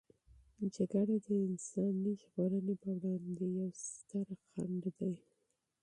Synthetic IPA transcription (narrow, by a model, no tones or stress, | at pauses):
d͡ʒaɡaɽad̪əɪnsɑniʒɣoɾənepəwɽɑnd̪ejawst̪əɾxa̰ɳɖd̪aj